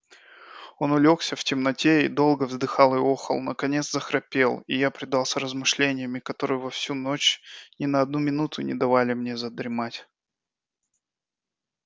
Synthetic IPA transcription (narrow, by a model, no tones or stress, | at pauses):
o̞nʊlʲo̞ksʲəftʲɪmnɐtʲeid̪o̞lˠɡəvzd̪ɨxɑlˠɨoxə̰lˠnə̰kɐnʲe̞t̪szəxɾɐpʲe̞lˠijapɾʲɪd̪ɑlˠsʲrəzmɨʂlʲenʲɪjəmʲɪkɐt̪o̞ɾɨjʊvɐfsʲuno̞t͡ɕnʲɪnəɐd̪numʲɪnut̪ʰʊnʲɪ̰d̪ɐvalʲɪmnʲe̞zəd̪ɾʲɪmatʲ